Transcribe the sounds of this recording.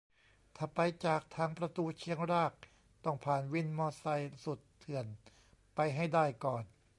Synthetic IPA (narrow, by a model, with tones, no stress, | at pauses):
t̪ʰaː˨˩pa˧jt͡ɕaː˨˩k̚t̪ʰaː˧ŋpɾa˧t̪uː˧t͡ɕʰi˧əŋɾaː˥˩k̚ | t̪ɔ˥˩ŋpʰaː˨˩nwi˧˥nmɔː˧sa˧jsu˨˩t̪ʰːɯ˨˩ən | pa˧jɦa˥˩jdaː˥˩jkɔː˨˩n